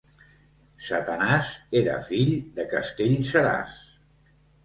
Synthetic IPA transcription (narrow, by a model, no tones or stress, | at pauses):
sat̪ənazeɾə̰fiʎd̪əkəst̪eʎsəɾa̰s